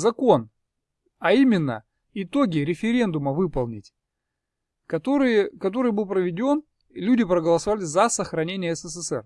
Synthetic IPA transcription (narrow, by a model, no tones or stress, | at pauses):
zɐko̞n | ɐimʲɪnːə̰ | ɪt̪oɡʲɪɾʲɪfʲɪɾʲe̞nd̪ʊməvɨpəlˠnʲɪtʲ | kɐt̪ɾɨkɐt̪̬o̞ɾɨjbɨlˠpɾəvʲɪdʲo̞n | lʲudʲɪpɾəɡəlˠəsɐvalʲɪzɐsəxɾɐnʲenʲɪjəɛsəsɛsɛ̰r